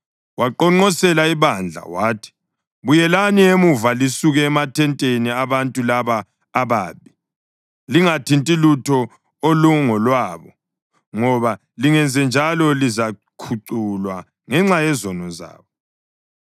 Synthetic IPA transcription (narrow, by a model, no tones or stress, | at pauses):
waǃɔŋ͡ǃɔsɛlaiβand͡ɮʱa̰waːtʰi̥ | βujɛlaniemuvalisuɣɛːmatʰɛntʼeniaβantʼulaβaː | βaːβi | liŋatʰintʼilutʰɔ | oluŋɔlwaːβɔ | ŋɔβa | liŋɛnd͡zʱɛnd͡ʒʱalɔlizakʰuǀulwa | ŋɛŋ͡ǁajɛzɔnɔza̰ːβɔ